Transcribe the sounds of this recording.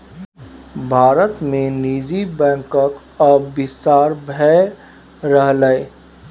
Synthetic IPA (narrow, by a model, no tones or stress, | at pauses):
bʱaːɾət̪mẽniːd͡ʒibɛ̃ːŋkək | ɔbɪst̪aːɾbʱɛ | ɾəɦləe